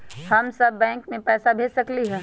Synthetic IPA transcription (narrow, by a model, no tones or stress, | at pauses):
hɐmsɐbːɛ̃ːŋkmẽpɛːsabʱeːd͡ʒsɐkliɦɛː